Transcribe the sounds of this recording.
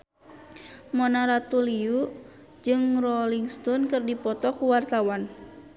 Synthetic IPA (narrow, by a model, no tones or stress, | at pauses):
mɔnaɾat̪uliu | d͡ʒɨŋrɔliŋst̪ɔnkɨrdipɔt̪ɔkuwart̪awan